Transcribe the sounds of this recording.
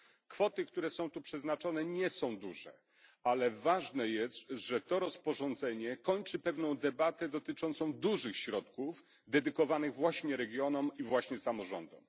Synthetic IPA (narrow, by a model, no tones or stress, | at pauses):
kfɔt̪ɘkt̪uɾɛsɔ̃w̃t̪upʂɛznat͡ʂɔnɛɲɛsɔ̃w̃d̪uʐɛ̰ | alɛvaʐnɛjɛst̪ʐ̥ɛt̪ɔɾɔspɔʐɔnd̪zɛɲɛkɔɲt͡ʂɘpɛvnɔ̃w̃d̪ɛbat̪ɛd̪ɔt̪ɘt͡ʂɔnt̪sɔ̃w̃d̪uʐɘxɕɾɔt̪kuf | d̪ɛd̪ɘkɔvanɘɣvwaɕɲɛɾɛɡʲjɔnɔmivwaɕɲɛsamɔʐɔnd̪ɔ̰m